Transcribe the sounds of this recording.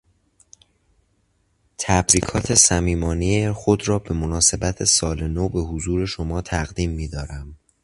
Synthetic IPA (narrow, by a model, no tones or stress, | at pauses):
t̪ʰæbɾiːkʰɒːt̪ʰe̞sæmiːmɒːniexod̪ɾɒːbe̞monɒːse̞bæt̪ʰe̞sɒːlenoːbe̞hozuːɾe̞ʃomɒːt̪ʰæɣd̪iːmːiːd̪ɒːɾæm